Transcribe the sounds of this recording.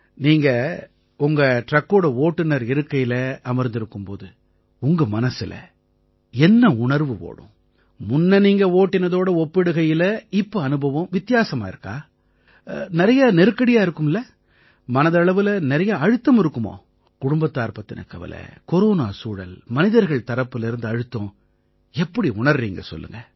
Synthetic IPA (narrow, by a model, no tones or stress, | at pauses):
niːŋɡɐ | ʊŋɡɐʈɾɐkːoːɽɐoːʈːɪnɐɾɪɾɯkːɐjɪlɐɐmɐɾnd̪ɪɾɯkːɯmpo̰ːðɯ | ʊŋɡɐmɐnɐsɪlɐ̰ | ɛnːɐʊɳɐɾʋɯʋo̰ːɽʊ̰̃ | mʊnːɐniːŋɡɐoːʈːɪnɐðoːɽɐɔpːɪɽɯɣɐjɪlɐɪpːoɐnɯbʱɐʋɐ̃mʋɪt̪ːɪjaːsɐmaːɪɾɯkːa̰ː | nɪɾɐjɐnɛɾɯkːɐɽɪjaːɪɾɯkːɯmɪlːɐ | mɐnɐðɐɭɐʋɯlɐnɪɾɐjɐɐɻɯt̪ːɐmɪɾɯkːɯmo̰ː | kʊɽʊmbɐt̪ːaːɾpɐt̪ːɪnʔɐ̰kːɐʋɐ̰lɐ̰kɔɾoːnaːsuːɻɐ̰lmɐnɪðɐɾɣɐɭt̪ɐɾɐpːɯlɪɾɯnd̪ɯɐɻɯt̪ːõː | ɛpːɐɽiʊɳɐɾɾiːŋɡɐ̰sɔ̰lːɯ̰ŋɡɐ